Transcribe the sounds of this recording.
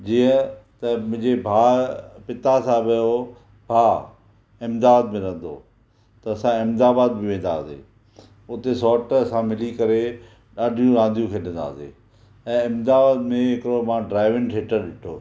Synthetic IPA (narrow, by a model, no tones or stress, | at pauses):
d͡ʑiːə̃t̪ɐmʊ̃ɦɪ̃ɲd͡ʑebʱaːpɪt̪asãbɐjo | bʱaː | ɪmd̪aːd̪̚mẽɾɐ̃ɦən̆d̪o̰ː | t̪ɐːsãɪmd̪aːbaːd̪̚bɪʋẽːnd̪a̰ːsḛː | ʊt̪esɔːʈɐsãmɪlikɐɾe | ɗaːɖʱijũɾãːnd̪ʱijũkʰeɗɪ̃nd̪a̰ːsḛː | ɛ̃ːɪmd̪aːbaːd̪mẽɦɪkɾomãːɖɾaːɪʋɪ̃ŋʈʰeːʈəɾɗɪʈʰoː